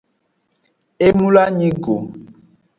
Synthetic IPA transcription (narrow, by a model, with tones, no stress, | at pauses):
e˦mu˦la˦ɲĩ˦ɡo˨